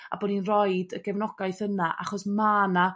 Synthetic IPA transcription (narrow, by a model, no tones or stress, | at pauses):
a̰bɔːdinrɔɨdəɡ̥ɛvnɔɡajθənaʔa̰χɔsmana